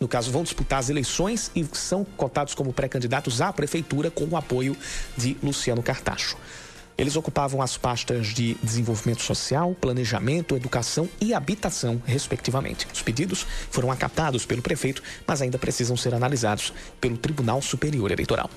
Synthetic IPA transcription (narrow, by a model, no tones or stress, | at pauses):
nʊkazʊvɐ̃w̃d͡ʒisput̪aɾɐzelejsõj̃sɪsɐ̃w̃kot̪ad̪ʊskõmʊpɾɛkɐ̃nd͡ʒid̪at̪ʊzapɾefejt̪uɾɐkõw̃ʊapojʊd͡ʒɪlusiɐ̃nʊkaɾt̪a̰ʃʊ̥ | ḛlɪzokupavɐ̃w̃ɐspast̪ɐzd͡ʒɪd̪ɪzẽvowvimẽnt̪ʊ̥sosiawplɐ̃neʒamẽnt̪ʊed̪ukasɐ̃w̃ɪabit̪asɐ̃w̃hespek̚t͡ʃ̪ivɐmḛ̃nt͡ʃɪ̥ʊsped͡ʒid̪ʊsfoɾɐ̃w̃aka̰t̪ad̪ʊspelʊpɾefejt̪ʊ̥mɐzaĩd̪ɐpɾʔesizɐ̃w̃seɾanalizad̪ʊs | pelʊt̪ɾibunawsupeɾioɾḛlḛjt̪oɾa̰w